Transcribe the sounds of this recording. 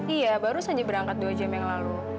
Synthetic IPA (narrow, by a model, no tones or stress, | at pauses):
ijabaɾusaɲd͡ʒabəɾaŋkat̪̚duad͡ʒamjaŋlalu